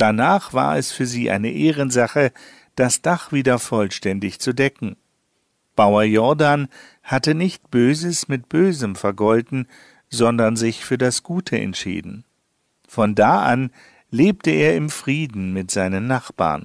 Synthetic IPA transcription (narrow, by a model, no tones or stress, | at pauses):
d̥anaːχv̥a̰ːɐɛsfyːɐziːʔa̰ɪnəʔeːʁənzaχə | d̥asd̥aχv̥iːdɐfɔlʃtɛndɪçt͡sudɛkŋ̩ | b̥aʊɐjɔɐdan | hatənɪçtb̥øːzəsmɪt̚b̥øːzəmfɛɐɡɔldn̩ | zɔndɐnzɪçfyːɐdasɡ̥uːtʰəɛ̰ntʃḭːdn̩ | fɔndaːʔan | leːp̚təeːɐɪmfʁ̥iːdn̩mɪtz̥aɪnənːaχb̥a̰ːɐn